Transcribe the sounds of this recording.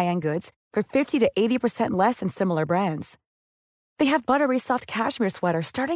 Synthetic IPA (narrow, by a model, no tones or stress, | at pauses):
ɪɨ̃nɡʊdz̥ | fə˞fɪftiɾɨʔeɪɾipʰə˞sɛ̃nʔlɛsɨ̃nsɪ̃ml̩ˠə˞bɹæ̃ndz̥ | ðeɪɨvbʌɾə˞isɔft̚kʰæʃmiɹswɛɾə˞stɑɹɾɪ̃